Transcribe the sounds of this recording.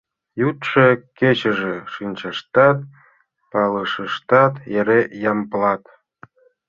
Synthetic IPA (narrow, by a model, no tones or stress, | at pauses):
jut̪ʃeket͡ɕə̆ʒeʃinʲt͡ɕɑʃt̪ɑt̪̚ | pɑləʃəʃt̪ɑt̪jeɾejɑmplɑt̪